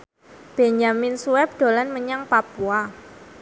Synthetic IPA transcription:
b̥eɲamɪnsuwɛp̚ɖ̥o̤lanməɲaŋpapua

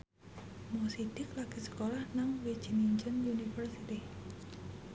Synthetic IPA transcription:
mosid̥ɪklaɡ̥isə̥kolahnaŋwe̥t͡ʃiniɲt͡ʃʊnjunifərsit̪i

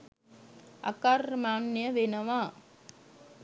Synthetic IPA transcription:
ɐ̰kaɾmaːnːjɐʋenɐʋaː

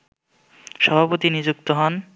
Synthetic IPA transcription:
ʃɔbʱapot̪inid͡ʑuk̚t̪oɦɔn

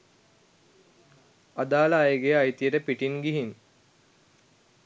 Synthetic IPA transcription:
ad̪aːlaːjəɡejajt̪ijəʈəpiʈinɡiɦin

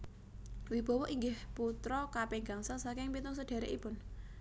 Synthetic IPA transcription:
wib̥ɔ̤wɔʔiŋɡɪhput̪ɾɔkapeŋɡaŋsasakɪŋpinʊŋsəɖ̥a̤ɾḛʔipʊn

